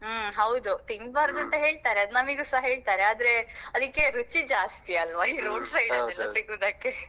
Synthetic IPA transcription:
ɦɐwd̪ut̪iŋɡbaːɾd̪uɐnt̪ɐɦe̞ːɭt̪aːɾeɐd̪unɐmiɡusaɦɦe̞ːɭt̪aːɾeaːd̪ɾeɐd̪ikːe̞ɾut͡ʃid͡ʒaːst̪iɐlʋaiɾoːɖsɐjɖɐlːɛlːɐsiɡuːd̪ɐkːe

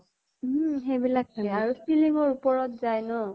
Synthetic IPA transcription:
xebilak̚tʰakɛaɹusiliŋɔɹupɔɹɔtzajnɔ

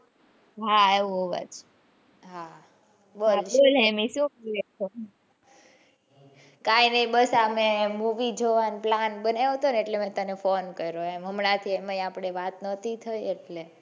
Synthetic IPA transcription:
ɦaeʋũɦoʋa̰t͡ʃ | ɦa | bololɦemĩsũkieto | kainəĩbəsamemuʋid͡ʒoʋanplanbənaɦot̪oneeʈlemɛ̃t̪ənefonkəɾoemɦəmnat̪ʰieməiapɽ̃eʋat̪nət̪it̪ʰəjeʈle

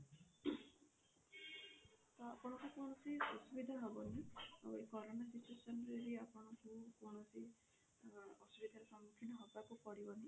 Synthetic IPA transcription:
t̪ɔapɔɽ̃ɔkukoɳ̃ɔsiɔsubid̪ʱaɦɔbɔnḭekɔɾɔnasit͡ʃuesɔnɔɾeɾiapɔɽ̃ɔkukoɽ̃ɔsi | ɔsubid̪ʱaɾesɔmːukʰinɔɦɔbakupɔɽibɔni

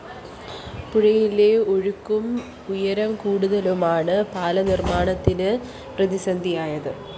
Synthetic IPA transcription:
puɻɐjileoɻukːum | ujɐɾɐmkuːɽuðɐlumaːɳɨpaːlɐnirmaːɳɐt̪ːinɨ | prɐðisɐnd̪ʱijaːjɐðɨ

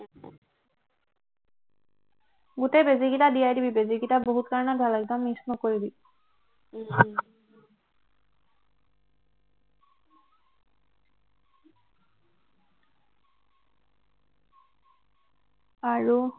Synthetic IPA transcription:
ɡutejbeziɡitadijajdibibeziɡitaboɦut̚kaɹnabʱalaɡ̚damisnɔkoɹibi | aɹu

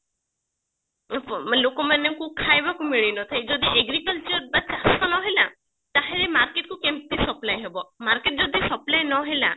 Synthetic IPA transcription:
lokɔmanekukʰajbakumiɭinɔt̪ʰajd͡ʒɔd̪iʔeɡɾikɔlt͡ʃɔɾbat͡ʃast̪ɔnɔɦela | t̪aɦeɾemaɾkeʈ̚kukempt̪isɔplajɦebɔmaɾkeʈ̚d͡ʒɔd̪isɔplajnɔɦela̰

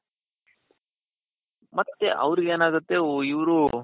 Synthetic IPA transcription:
mɐt̪ːeʔɐ̰ʋɾiɡeːnaːɡut̪ːe̞iʋɾu

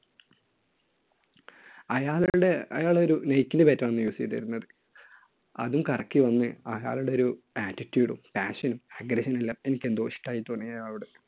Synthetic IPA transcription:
ɐjaːɭuuɽe̞ɐjaːɭo̞ɾunejkʲːindɨpɐtːɐmɐnːɨjuːst̪ːɐ̰ɾunːɐðɨ | ɐ̰ðumkɐrɐkːiʋɐnːɨɐja̰ːɭuɽeo̞ɾu | aːtːitːjuːɽṵmpaːʂɐnumɐɡɾɐɕɐnilːɐe̞nikʲːe̞nd̪oːʂi̥ʈːaːjit̪onːejɐjaːɭuɽe

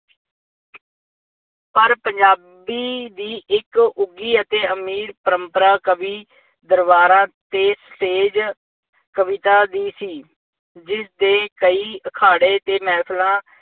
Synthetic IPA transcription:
pəɾpəɲd͡ʒaː | biːd̪iːʔɪkʊɡiːət̪eːəmiːɾpəɾəmpəɾaːkəbiː | d̪əɾbaːɾãːt̪eːsəʈeːd͡ʒ | kəʋɪt̪aːd̪iːsiː | d͡ʒɪsd̪eːkəiːəkʰaːɽeːt̪eːmɛːpʰlãː

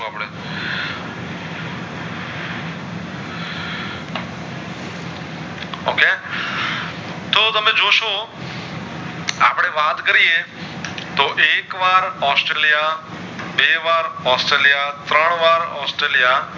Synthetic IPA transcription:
apɽe | o̰ːke | t̪ot̪əmẽd͡ʒoːʃo | aːpɽ̃eʋaːt̪kəɾije | t̪oːʔeːkʋaːɾɔːsʈɾeːlija | ɓeːʋaːɾɔːsʈɾeːlijat̪ɾəɳ̃ʋaːɾɔ̰ːsʈɾeːlija

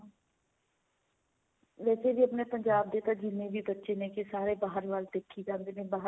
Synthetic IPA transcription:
ʋɛːseːbiːəpneːpəɲd͡ʒaːb̚d̪eːt̪ãːd͡ʒɪnːẽːʋiːbətːʃeːnẽːkɪsaːɾeːbaːɦəɾʋaːld̪eːkʰːiːd͡ʒãːnd̪eːnẽːbaːɦ

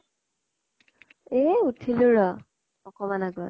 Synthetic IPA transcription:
eutʰilʊɹɔ | ɔkɔmanaɡɔ

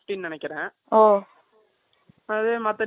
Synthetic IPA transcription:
ʈinnɪnɛkːɪɾɛ̃ː | oː | ɐðemɐt̪ːɐɾ

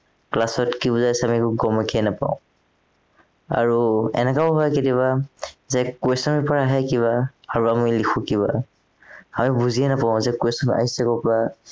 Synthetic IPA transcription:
klasɔtkibuzajsɛamikuɡɔmɔkiɛnapa̰ʊ̃ | a̰ɹuɛ̰nɛkaʊɦɔjketiβazɛkwesɔmɛpɔɹaɦɛkiβaaɹuamilikʰũkiβa | amibuziɛnapaʊ̃zɛkwesɔma̰ɦisɛkɔpɔɹa

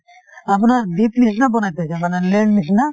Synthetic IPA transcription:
apnaɾd̪it̪nisnabɔnajt̪et͡ɕʰajmaneɾleɳɖnisna

